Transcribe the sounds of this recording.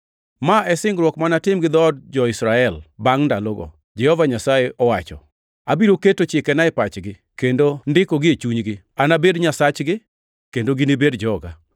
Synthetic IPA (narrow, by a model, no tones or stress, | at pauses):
maɛsɪŋɡɾwɔkmanatɪmɡɪd̪ɔdd͡ʒɔɪsɾaɛlbaŋndaloɡɔ̰ | d͡ʒɛhɔvaɲasajeɔwat͡ʃɔ̰ | abiɾoketot͡ʃɪkɛnaɛpat͡ʃɡɪ | kendondɪkoɡɪet͡ʃuɲɡɪ | anabedɲasat͡ʃɡɪ | kendoɡinibedd͡ʒɔɡa